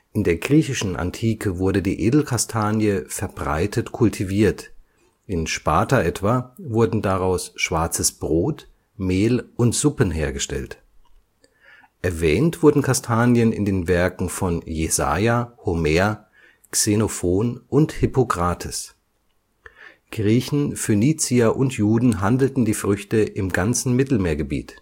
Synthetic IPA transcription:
ʔɪndeːɐɡʁiːçɪʃn̩ʔa̰ntʰiːkʰəvʊɐdədiːʔeːdl̩kʰastʰaːnjəfɛɐbʁa̰ɪtʰətkʰʊltʰiviːɐt | ʔɪnʃpaːtaʔɛtv̥avʊɐdn̩daʁaʊsʃv̥aɐt͡səsb̥ʁoːt | meːlʊntz̥ʊpənɦeːɐɡəʃtɛ̰lt | ʔɛɐvɛːntv̥ʊɐdn̩kʰastʰaːnjənɪ̰ndeːnvɛɐkŋ̩fɔnjeza̰ːjahomeːɐ | ksenofoːnʔʊnthʏpokʁ̥aːtʰɪs | ɡ̥ʁiːçn̩føniːt͡siɐʔʊntjuːdn̩ɦandl̩tn̩diːfʁ̥ʏçtəʔɪmɡant͡sn̩mɪtl̩meːɐɡəbḭːt

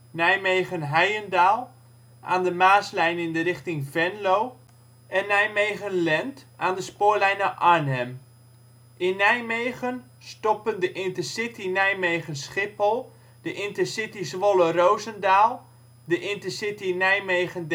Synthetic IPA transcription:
nɛjmejɣənɦɛjəndaːlˠ | ʔa̰ːndəmaːslɛjnɪndərɪχtɪŋvɛnlow | ɛnːɛjmejɣənlɛntaːndəspoːɹlɛjnəʔaɹnɛm | ʔɪnːɛjmejɣən | stɔpəndəʔɪntəsɪtinɛjmejχənsχɪpəlˠ | d̥əʔɪntəsɪtisʋolərowzəndaːlˠ | dəʔɪntəsɪtinɛjmejɣənd

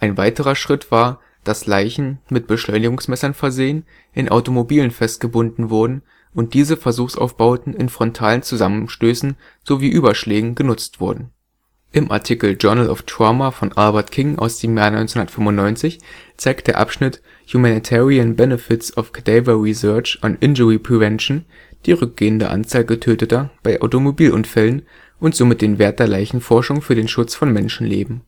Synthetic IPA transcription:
ʔaɪnvaɪtəʁ̞ɐʃʁ̥ɪtv̥aːɐ | d̥aslaɪçn̩mɪt̚b̥əʃlɔʏnɪɡʊŋsmɛsɐnfɛɐzeːən | ʔɪnʔa̰ʊtomobiːlənfɛstɡ̥əbʊndn̩vʊɐdn̩ | ʔʊnt̚d̥iːzəfɛɐzuːxsʔa̰ʊfb̥aʊtn̩ɪnfʁ̥ɔntʰaːlənt͡suzamənʃtøːsn̩ | z̥oviːʔyːbɐʃlɛːɡŋ̩ɡənʊt͡stv̥ʊɐdn̩ | ʔɪmʔa̰ɐtʰiːkl̩d͡ʒœɐnəlʔɔ̰ftamafɔnʔalbɐɐtkʰɪŋʔa̰ʊsd̥eːmjaːnɔʏnt͡snhʊndɐtfʏmʊntnɔʏnt͡sɪçt͡saɪk̚td̥eːɐʔa̰pʃnɪt | humanitʰɛːʁiənbɛnəfɪtsɔfkʰad̥aɪvɐʁizœɐt͡ʃa̰nʔɪnd͡ʒəʁipʁ̥ivɛnʃn̩ | d̥iːʁʏk̚ɡ̥eːəndə̰ʔa̰nt͡saːlɡətʰøːtətɐb̥aɪʔa̰ʊtomobiːlʔʊ̰nfɛlən | ʔʊntz̥omɪt̚d̥eːnveːɐt̚d̥eːɐlaɪçn̩fɔɐʃʊŋfyːɐdeːnʃʊt͡sfɔnmɛnʃn̩lḛːbm̩

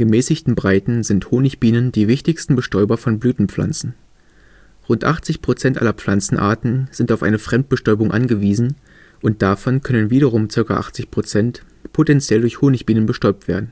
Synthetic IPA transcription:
ɡ̥əmɛːsɪçtn̩bʁaɪtn̩zɪnthoːnɪçb̥iːnəndiːvɪçtɪçstn̩bəʃtɔʏbɐfɔnblyːtn̩p͡fla̰nt͡sn̩ | ʁʊntʔa̰χt͡sɪçpʁ̥ot͡sɛntʔa̰lɐflant͡sn̩ʔa̰ːɐtn̩z̥ɪntaʊfʔa̰ɪnəfʁ̥ɛmt̚b̥əʃtɔʏbʊŋʔa̰nɡəviːzn̩ | ʔʊnt̚d̥afɔnkʰœnənviːɾɐʁ̞ʊmt͡sɪɐka̰ʔa̰χt͡sɪçpʁ̥ot͡sɛnt | pʰotɛnt͡sjɛldʊɐçhoːnɪçb̥iːnənbəʃtɔʏp̚tv̥eːɐdn̩

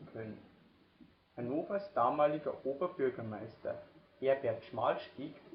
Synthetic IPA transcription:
kʰœnən | hanoːfɐsd̥aːmaːlɪɡɐʔoːbɐbʏɐɡɐmaɪstɐ̰ʔeːɐɡɛːɐtʃmaːlʃtiːk

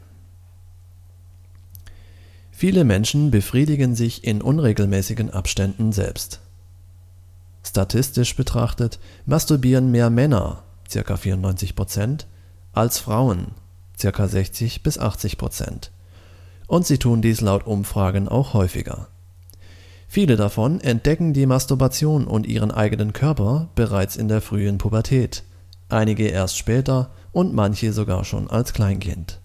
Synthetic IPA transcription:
fiːləmɛnʃn̩bəfʁ̥iːdɪɡənzɪçɪnʔʊnʁeːɡl̩mɛːsɪɡən̩ʔa̰pʃtɛndn̩zɛ̰lpst | ʃtatʰɪstɪʃb̥ətʁ̥a̰χtət | mʔastʊbiːʁənmeːɐmɛnɐ̰ | t͡sɪɐka̰fiːɐʊntnɔʏnt͡sɪçpʁ̥ot͡sɛnt | ʔalsfʁ̥aʊən | t͡sɪɐkazɛçt͡sɪçb̥ɪsʔa̰χt͡sɪçpʁ̥o̰t͡sɛ̰nt | ʔʊntz̥iːtʰuːndiːslaʊtʔʊmfʁ̥aːɡən̩ʔa̰ʊxhɔʏfɪ̰ɡɐ̰ | fiːlədafɔnɛnt̚d̥ɛkŋ̩diːmastuɐbat͡sjoːnʊ̰ntʔḭːʁ̞ənʔa̰ɪɡənənkʰœɐpɐb̥əʁaɪt͡sɪndeːɐfʁ̥yːənpʰubɐtʰɛːt | ʔaɪnɪɡəʔeːɐstʃpɛːtɐʔʊntmançəzoɡa̰ːɐʃo̰ːna̰lskl̥aɪnkʰɪ̰nt

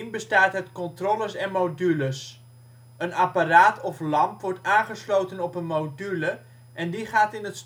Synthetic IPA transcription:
nbəstaːtɦətkɔntroːləsɛnmowdyləs | ənaparaːtɔflɑmpʋɔɹtaːnχəslowtənɔpənmowdylə | ʔɛndiχaːtɪnəts

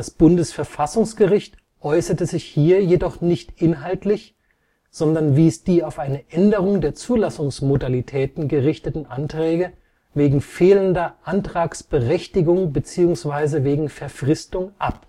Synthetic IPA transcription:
asb̥ʊndəsfɛɐfasʊŋsɡ̥əʁɪçt | ʔɔʏsɐtəzɪçhiːɐjedɔχnɪçtʔɪnɦaltlɪç | z̥ɔndɐnviːsd̥iːaʊfʔaɪnəʔɛndəʁ̞ʊŋdeːɐt͡suːlasʊŋsmodalitʰɛːtn̩ɡəʁɪçtətn̩ʔantʁ̥ɛːɡə | veːɡŋ̩feːləndɐʔantʁ̥aːksb̥əʁɛçtɪɡʊŋbət͡siːʊŋsv̥aɪzəveːɡŋ̩fɛɐfʁ̥ɪstʊŋʔa̰p

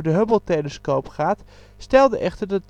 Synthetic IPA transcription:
əɹdəɦøbəlˠtejləskowpχaːt | stɛlˠdəʔɛχtəɹdɑt

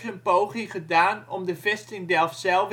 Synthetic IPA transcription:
tənpoːχiχədaːnɔmdəvɛstɪŋdɛlˠfsɛlˠf

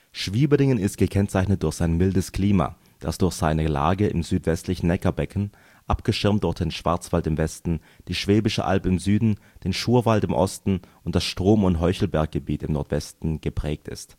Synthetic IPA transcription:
ʃv̥iːbəlɪŋənɪstɡ̥əkʰɛnt͡saɪçnət̚d̥ʊɐçz̥aɪnmɪldəskl̥iːma̰ː | d̥asd̥ʊɐçz̥aɪnəla̰ːɡəʔɪ̰mzyːtv̥ɛstlɪçn̩ɛkɐbɛkʰn̩ | ʔapɡ̥əʃɪɐmtd̥ʊɐçtd̥eːnʃv̥a̰ɐt͡sv̥altɪmvɛstn̩ | d̥iːʃv̥eːbɪʃə̰ʔa̰lpɪmzyːdn̩ | d̥eːnʃuːɐvaltɪmʔɔ̰stn̩ʔʊntd̥asʃtʁ̥oːmʊntɦɔʏçl̩bɛɐk̚ɡ̥əbiːtɪmnɔɐtv̥ɛstn̩ɡ̥əpʁ̥ɛːk̚tɪ̰st

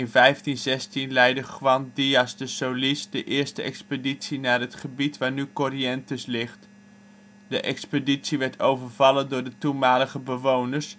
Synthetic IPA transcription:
ɪnvɛjftinzɛstinlɛjdəχʋɑndiɑsdəsowlisdəʔɪːɹstəɛ̰kspeditsinaːɹɦətχəbitʋaːɹnykoɾiɛntəslɪχt | dəʔɛkspəditsiʋɛɹtʰowvəɹv̥ɑləndʊːɹdətunmaːləχəbəʋownəɹs

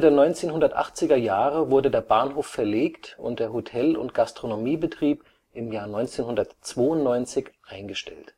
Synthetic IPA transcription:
ədeːɐnɔʏnt͡seːnɦʊndɐtʔa̰χt͡sɪɡɐjaːʁəvʊɐdədeːɐbaːnɦoːfːɛɐleːktʊ̰nt̚d̥eːɐɦotʰɛlʊ̰ntɡ̥astʁ̥onomiːbətʁ̥iːp | ʔɪmjaːɐnɔʏnt͡seːnhʊndɐtt͡sv̥oːʊntnɔʏnt͡sɪçʔaɪnɡəʃtɛ̰lt

